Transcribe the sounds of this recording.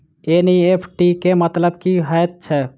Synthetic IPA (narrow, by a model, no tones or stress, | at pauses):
eniepʰʈikemət̪ləbkiɦət̪̚t͡ʃʰɛ